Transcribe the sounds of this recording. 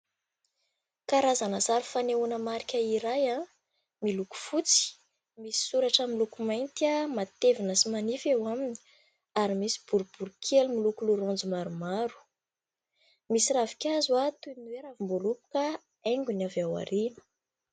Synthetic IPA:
kaɾazanəzaɾufaneunəmaɾikʲəiɾaja | miluku̥fut͡si̥ | misi̥suɾaʈ͡ʂamilukumajnt̪iamat̪evinəsimanifewamini̥ | aɾimisi̥b̥uɾub̥uɾukʲʰelumilukuluɾond͡zumaɾumaɾu̥ | misiravi̥kʲazwat̪unuweɾavimbolupu̥kə | eŋɡunavawa̰ɾinə̥

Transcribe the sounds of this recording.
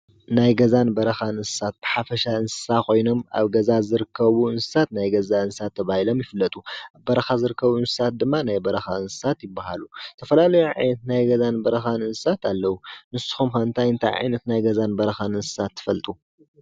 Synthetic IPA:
najɡɐzanbɐɾɐxanɨnsɨ̥sat̪̚b̥ɨħafɐʃaɨnsɨ̥sakʰo̞jno̞ma̰βɡɐzazɨɾɨkʰːɐβuɨnsɨ̥sat̪najɡɐzaɨnsɨsat̪ʰːɐβahilo̞mjɪfɨlːɐt̪ʼuaβbɐɾɐxazɨɾɨkːɐβuɨnsɨ̥sat̪̚d̪ɨmːanajbɐɾɐxaɨnsɨ̥sat̪jɪbːahalut̪ʰɐfɐlalɐjuʕa̰jnɐt̪najɡɐzanbɐɾɐxanɨnsɨ̥sat̪ʰalːɐwunɨsu̥xumxɐnt̪ʰajɨnt̪ʰajʕa̰jnɐt̪najɡɐzanbɐɾɐxanɨnsɨ̥sat̪ʰːɨ̥fɐlt̪ʼu

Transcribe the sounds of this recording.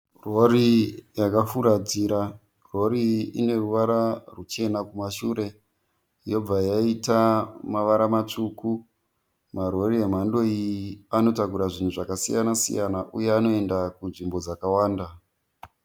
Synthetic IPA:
ro̞ɾijakafuɾad͡ziɾa | ro̞ɾiine̞ruʋaɾarut͡ʃe̞nakumaʃuɾe̞ | jo̞b͡vajaitamaʋaɾamat͡ʂuku | maro̞riem̤ando̞iano̞takuɾaʐin̤uʐakasḭjanasḭjanaʔujeano̞e̞ndakunʐimbo̞d͡zakawaːnda

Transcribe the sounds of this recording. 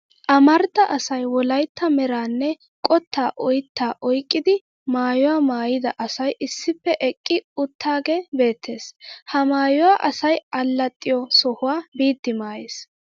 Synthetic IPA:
ʔɐmɐɾt̪ːɐʔɐsɐjwɔlɐjt̪ʰːɐmɛɾaːnːɛ | kʼɔt̪ːaːʔɔjt̪ːaːʔɔjkʼːɪd̪ɪ | maːjɔwaːmaːjɪd̪ɐʔɐsɐjɪsːɪpːɛʔɛkʼːɪʊt̪ːaːɡebe̞ːt̪ʰːe̞ːshɐmaːjɔwaːʔɐsɐjɐlːɐt̪ʼːɪjɔsɔhʊwaːbiːt̪ːɪmaːjes

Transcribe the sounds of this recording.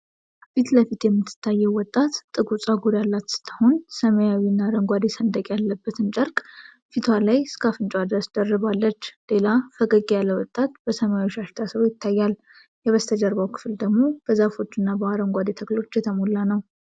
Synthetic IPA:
fit̪ləfit̪jɛmːɨt̪ʰːɨ̥t̪ʰːajːɛwwɔt̪ʼːat̪t̪ʼːɨɡʼut͡sʼaɡuɾjalːat̪sɨ̥t̪ʰːəhonsəməjawinːaɾəŋɡʷad̪esənd̪əkʼjalːəbːət̪ʰɨnt͡ʃʼəɾkʼ | fit̪ʰwalajskʰafɨnt͡ʃʼwad̪ɾəsd̪ərːɨβalːət͡ʃːle̞lafəɡʼəɡʼejalːəwɔt̪ʼːat̪b̥əsəmajaoʃaʃt̪ʰasəβjɪt̪ʰːajːal | jɛβəst̪ʰəd͡ʒəɾβawkʰɨ̥fld̪əɡmo̞b̥əzafo̞t͡ʃːɨnːabəaɾəŋɡʷad̪et̪ʰəklo̞t͡ʃːjɛt̪ʰəmolːanəw

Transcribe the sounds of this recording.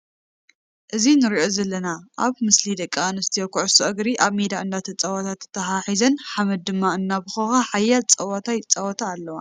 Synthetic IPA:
ʔɨzinɨɾiʔo̞zɐlːɐnaʔaβmɨslid̪ɐkʼːaanɨst̪ʰijokuʕɨsuʔɐɡɾiʔaβmed̪aɨnd̪at̪ʰɐt͡sʼɐwat̪ʰat̪ːɨ̥t̪ʰːɐħaħizɐnħamɐd̪̚ːɨmːaɨnːabɨxɐxaħajːalt͡sʼɐwat̪ʰajt͡sʼːawɔt̪ʰaːlːɐwa̰

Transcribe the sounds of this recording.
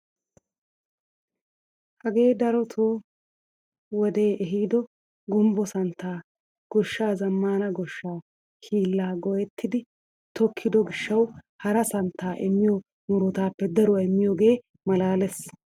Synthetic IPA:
hɐɡe̞ːd̪ɐɾɔt̪ʰoː | wɔd̪e̞ːʔɛɦiːd̪ɔ | ɡɔmbɔsɐnt̪ːaː | ɡ̥ɔʃːaːzɐmːaːnɐɡɔʃːaː | hʰiːlːaːɡɔjɛt̪ːɪd̪ɪ | t̪ɔkʰːɪd̪ɔɡɪʃːɐw | hɐɾɐsɐnt̪ːaːʔɪmːɪjɔ | nʊɾɔt̪aːpːɛd̪ɐɾʊwɐɪmːɪjɔɡe̞ː | mɐlaːlɛs

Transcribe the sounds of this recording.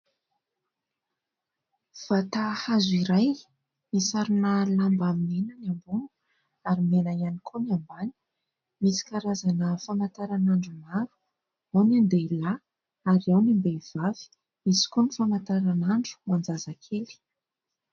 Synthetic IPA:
v̥at̪ahazuiɾaj | misaɾunəlambaminenənambunu̥ | aɾimenajanikʰoniambani̥ | misi̥kaɾazanəfamant̪aɾanaɳɖ͡ʐumaɾu̥ | awnand̪ela | aɾiawnimbev̥avi̥ | misi̥konifamant̪aɾanaɳɖ͡ʐu̥mand͡zazakʰeli̥

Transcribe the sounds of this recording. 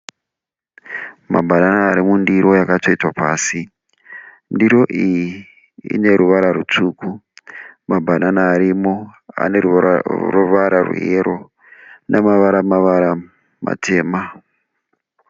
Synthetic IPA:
mabʱananaːɾimundiɾo̞jakato̞itwapaːsi | ndiɾo̞ʔiji | ḭne̞ɾuʋaɾaɾut͡ʂuːku | mabʱananaːɾimo̞a̰neruruʋaɾʔarṵjeɾʔo̞ | nʔamaʋaɾamaʋaɾa | ma̰tʰe̞ːma

